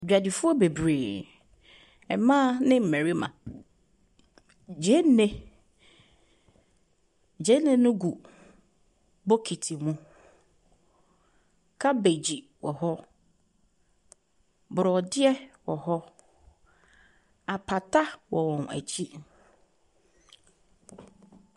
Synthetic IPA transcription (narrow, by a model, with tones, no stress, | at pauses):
d͡ʑᶣa˨dɪ˨fʊ˦ɔ˦be˨bɾeː˨ | ɛ˨mãː˦nɪ̃˦m̩˨mæ̃˨ɾi˦mã̰˨ | d͡ʑe˦n˦nẽ˦ | d͡ʑe˦nɪ̃˦nʊ̃˦ɡu˨ | bɔ˦kʰi˨tʰi˨mũ˦ | kʰa˦be˨d͡ʑi˨ | wɔ˨ɦɔ˦ | bʊ˨ɾɔ˨dɪ˦ɛ˦wɔ˨hɔ˦ | a˨pʰa˨tʰa˦wɔ˨wɔ̃˨næ̰˨t͡ɕʰi˦